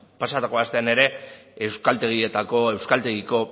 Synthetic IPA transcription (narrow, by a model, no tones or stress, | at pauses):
pasat̪ako̞ast̪e̞ane̞ɾe̞ewskalt̪e̞ɣ̞ie̞t̪ako̞e̞wskalt̪e̞ɣiko̞